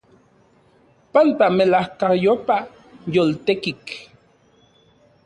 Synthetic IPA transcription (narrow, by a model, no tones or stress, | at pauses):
pant̪amelahkahjopa | jolt̪ekik